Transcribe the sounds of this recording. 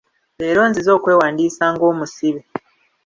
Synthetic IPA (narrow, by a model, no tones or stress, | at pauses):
eːɾo̞ːnzizo̞ːkwe̞ːwaːndiːsaːŋɡo̞ːmusiβi